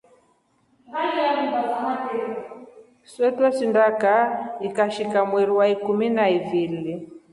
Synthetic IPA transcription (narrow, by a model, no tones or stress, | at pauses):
balijamubazanapɛ | swɛtwɛsindakaikaʃikamwiɾiwaikuminaivili